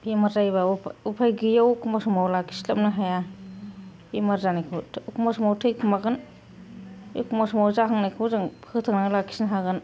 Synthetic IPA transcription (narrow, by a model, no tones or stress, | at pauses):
imaɾzajβaupʰajɡijawkʰumasumawlakʰi̥slamnaɦaja | imaɾzanajkʰɯwtʰkumasumawtʰɯjkʰumaɡɯn | kʰumasumawzaɦaŋnajkʰuwzaŋʰɯtʰaŋnalakʰi̥snaɦaɡɯn